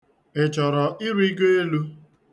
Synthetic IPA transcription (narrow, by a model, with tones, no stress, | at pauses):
e˨t͡ʃɔ˨ɾɔ˨ʔɪ˦ɾi˦ɡe˦e˦lu˦